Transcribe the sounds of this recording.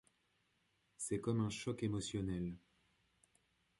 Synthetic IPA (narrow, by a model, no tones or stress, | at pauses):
sɛkɔmɛ̃ʃɔkemɔsjɔnɛl